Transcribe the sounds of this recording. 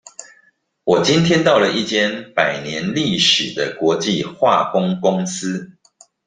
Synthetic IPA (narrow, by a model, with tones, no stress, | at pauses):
wɔ˨˩t͡ɕi˦nt̪ʰjɛ˥nt̪ɑ˥˨ʊlə˨i˥˩t͡ɕjɛ˥˦npa˨˩ɪnjɛ˨˦nli˥˨ʂɻ̩˨˩d̪ə˦kwɔ˨˧˦t͡ɕi˥˨xwa˥˨kʊ˦ŋkʊ˦ŋs̩˦